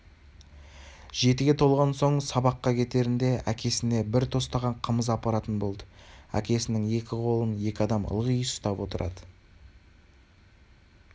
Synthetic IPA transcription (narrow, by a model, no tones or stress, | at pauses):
ʒ̥e̞t̪ɪɡʲe̞t̪ʰo̞lˠʁɑnso̞ɴsɑbɑqːɑkʲʰe̞t̪e̞ɾɪnd̪e̞ʔækʲe̞sɪne̞bɪɾt̪ʰo̞st̪ɑʁɑɴqʰəməzɑpɑɾɑt̪ənbo̞lˠd̪əæ̰kʲe̞sɪnɪŋe̞kʲɪqʰo̞lˠənje̞kʲɪɑd̪ɑmə̰lˠʁəjəsst̪ɑpwo̞t̪əɾʔɑ̰d̪ə